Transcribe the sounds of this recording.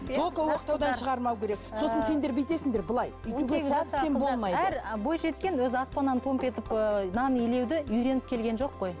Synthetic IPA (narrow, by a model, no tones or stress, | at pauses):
okowoqt̪ɑwd̪ɑnʃəʁɑɾmɑwkʲʰe̞ɾe̞k̚so̞sənse̞nd̪e̞ɾbejt̪e̞sɪŋd̪e̞ɾbəlˠɑjʏj̪ɪɡʲeæp̪embo̞lˠmɑjdæəɾbo̞jʃe̞t̪̚kʲe̞nwɵzɪɑspɑnɑnt̪ʰo̞mpe̞t̪ɪpənɑnele̞wd̪ɪʏjɾe̞nɪp̚kʲʰe̞lɡʲe̞nʒo̞qːo̞j